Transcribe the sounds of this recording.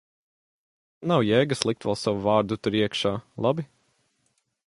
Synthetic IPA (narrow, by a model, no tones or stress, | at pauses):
nawjɛːɡaslˠik̚t̪vɛlˠsawuvaːɾd̪ut̪uɾiɛkʃaːlˠabi